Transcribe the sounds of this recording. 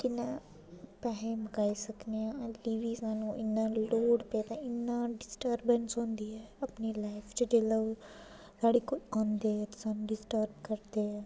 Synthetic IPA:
kɪnãː | pɛːɦeːməkaːiːsəkneːãliːʋiːsaːnũːʔɪnːãːloːɽpeːt̪ãːɪnːãːɖɪsʈəɾbənsɦõːnd̪iːɛːəpniːlaːɪpʰt͡ʃd͡ʒeːləo | saːɽeːkʊãːnd̪eːɛsaːnũːɖɪsʈəɾbkəɾd̪eːɛː

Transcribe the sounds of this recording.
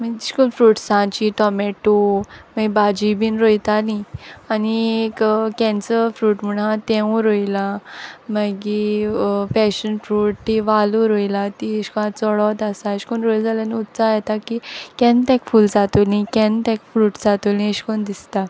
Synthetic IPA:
məd͡ʑiɕkonfɾuːʈsãt͡ɕiʈɔmeʈuməɡibad͡ʑibinɾojt̪anianiekkɛ̃nt͡səfɾuːʈm̤uɽãt̪ɛ̃ũɾojlaməɡi | pɛɕənfɾuːʈ̚t̪iʋaluɾojlat̪iɕkɔãt͡sɔɭɔt̪asaeɕkonɾojld͡zalaniut̪sajɛt̪akikɛ̃nt̪ɛ̃kfuːld͡zat̪olĩkɛ̃nt̪ɛ̃kfɾuːʈd͡zat̪ulĩeɕkond̪ist̪a

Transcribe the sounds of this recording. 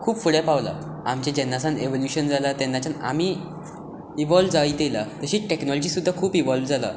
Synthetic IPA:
kʰuːpfuɽjapaʋla̰ | amt͡ɕẽd͡ʑɛnːasãneʋoljuɕənd͡zʱalat̪ɛnːat͡ɕana̰miː | iʋɔlʋd͡zait̪elat̪əɕiːʈeknɔlɔd͡ʑiːsud̪ʱːakʰuːpiʋɔlʋd͡zala̰

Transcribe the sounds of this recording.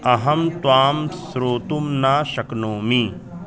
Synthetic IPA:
ɐɦɐmt̪waːmsɾoːt̪umnaːʃɐknoːmi

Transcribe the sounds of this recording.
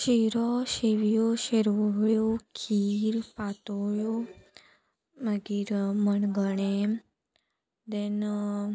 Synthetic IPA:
ʃiɾɔʃeʋijoʃeɾʋəɦɭjokʰiːɾpat̪oɭjo | məɡiɾməɳɡəɳe | d̪en

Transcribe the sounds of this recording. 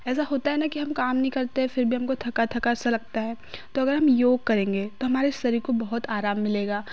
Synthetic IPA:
ɛːsaɦoːt̪aɦɛnakiɦɐmkaːmnɐɦĩkɐɾt̪eɦɛ̃fɪɾbʱiɦɐmkot̪ʰɐkat̪ʰɐkaɛsalɐɡ̚t̪aɦɛː | t̪oɐɡəɾɦɐmjoːɡ̚kɐɾẽːŋɡet̪oɦɐmaːɾest̪ɐɾikobɐɦʊt̪aːɾaːmːɪleːɡaː

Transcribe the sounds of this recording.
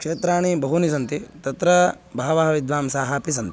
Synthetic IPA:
kʂeːt̪ɾaːɳ̃ibɐɦunis̬ɐnt̪it̪ɐt̪ɾɐ | bʱaːʋaːɦɐʋid̪ʋaːmsaːɦaːpisɐnt̪i̥

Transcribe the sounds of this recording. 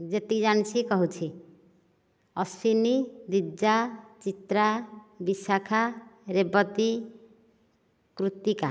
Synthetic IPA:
d͡ʒet̪id͡ʒant͡sʰikɔɦut͡sʰi | ʌsinid̪id͡zat͡ʃit̪ɾabisakʰaɾebɔt̪i | kɾut̪ika

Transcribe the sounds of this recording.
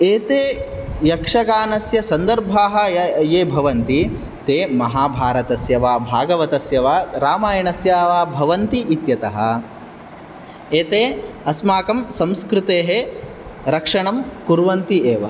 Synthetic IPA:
eːt̪eː | jɐkʂɐkaːnɐsjɐsɐnd̪ɐɾbʱaːɦɐ̆jeːbʱɐʋɐnt̪i | t̪eːmɐɦaːbʱaːɾɐt̪ɐsjɐʋaːbʱaːɡɐʋɐt̪ɐsjɐʋaːɾaːmaːjɐɳɐsjaːʋaːbʱɐʋɐnt̪iʔit̪jɐt̪ɐɦɐ̰̆ | eːt̪eːɐsmaːkɐmsɐmskɾut̪eːɦe | ɾɐkʂɐɳɐmkuɾʋɐnt̪ieːʋɐ

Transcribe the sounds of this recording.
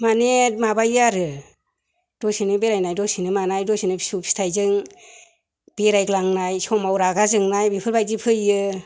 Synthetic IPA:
manemabajaɾɯ | d̥ɔsinɯbeɾajnajdɔsinɯmanajdɔsinɯsupsi̥tʰajzɯŋ | b̥eɾajklaŋnajsɔmawɾaɡazɯŋnajbipʰɯɾbajdipʰɯjɯ

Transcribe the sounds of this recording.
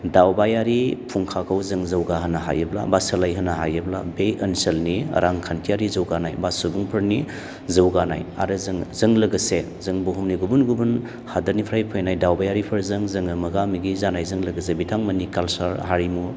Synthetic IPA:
dawbajaɾipʰuŋkʰakʰawzɯŋzɐwɡaɦɐnaɦa̰jebla̰basɐlajɦɐnaɦajɯbla̰bejɐnselnḭɾaŋkʰantʰijaɾizɐwɡanajbasubuŋpʰɐɾni | zɐwɡana̰ja̰ɾɯzɯŋzɯŋlɐɡɐse | zɯŋbuɦumniɡubunɡubun | hadɐɾnipʰɾajpʰəjnajdawbajaɾipʰɐɾzɯŋzɯŋɯmɐɡamiɡizanajzɯŋlɐɡɐs̬ebitʰaŋmɐnikalsaɾɦaɾimu

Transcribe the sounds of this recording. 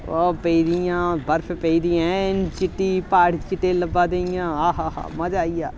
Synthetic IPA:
oːpəid̪ijãːbəɾpʰːpəiːd̪ijãːnt͡ʃɪʈːiːpaːɽt͡ʃɪʈːeːləbãːd̪eɪjãːɦaːɦaːɦa̰ːməd͡ʒaːiːjaː

